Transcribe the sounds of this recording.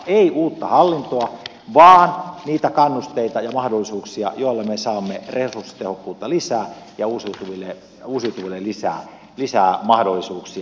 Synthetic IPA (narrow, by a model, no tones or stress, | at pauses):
eiʔuːt̪ːɑhɑlːint̪oɑ | ʋɑːnniːt̪ækɑnːust̪eit̪ɑjɑmɑhdolːisuːksiɑ̰joilːɑmesɑːmːeresurst̪ehokːuːt̪ːɑlisæːjɑusiut̪uʋilːˑe | usiut̪uʋilːelisæ̰ː | lisæːmɑhdolːisuːksiɑ